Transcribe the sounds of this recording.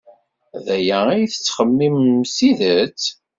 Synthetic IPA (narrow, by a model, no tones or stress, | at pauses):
ðæjæijθə̥t͡sːχəmːimːsiðət͡s